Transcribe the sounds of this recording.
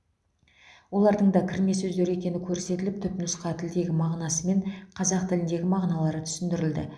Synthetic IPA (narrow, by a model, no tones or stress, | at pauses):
wo̞lˠɑɾd̪əɴd̪ɑkʲʰɪɾme̞sɵzd̪e̞ɾe̞kʲe̞nɪkʲʰɵɾse̞t̪ɪlɪp̚t̪ʰʏpnʊsqɑt̪ʰɪld̪e̞ɡʲɪmɑʁnɑsəme̞ɴqʰɑzɑq̚t̪ʰɪlɪnd̪e̞ɡʲɪmɑʁnɑlˠɑɾət̪ʰʏ̥sɪnd̪ɪɾɪld̪ɪ̰